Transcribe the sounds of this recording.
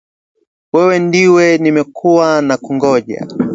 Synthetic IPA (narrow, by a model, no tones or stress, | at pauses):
wɛwɛndiwɛnimɛkʰuwanakuŋɡɔʄa̰